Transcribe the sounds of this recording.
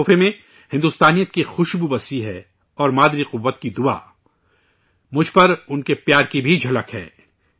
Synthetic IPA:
femẽ | hɪ̃nd̪ʊst̪aːnijət̪̚kixʊʃɡubɐsiɦɛː | ɔːɾmaːd̪ɾiqʊʋːət̪kid̪ʊa̰ː | mʊd͡ʒʱpɐɾʊnkepjaːɾkibʱid͡ʒʱɐləkɦɛ̰ː

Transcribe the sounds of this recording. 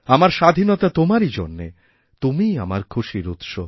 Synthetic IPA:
amaɾʃad̪ʱinot̪at̪omaɾid͡ʑonːe | t̪umia̰maɾkʰuʃiɾut̪ʃo

